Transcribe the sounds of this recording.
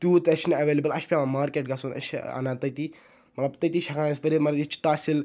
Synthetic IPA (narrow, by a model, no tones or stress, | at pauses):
t̪juːt̪ɐʃnɐɐʋeːlebəlɐʃpʲaːmãmaːɾkeːʈɡɐsunɐ̰ʃa̰nãːt̪ɐjt̪iː | mɐt̪lɐbt̪ɐt̪iʃʰɐkaːnɐspɐɾimɐɾit͡ʃʰt̪aːsil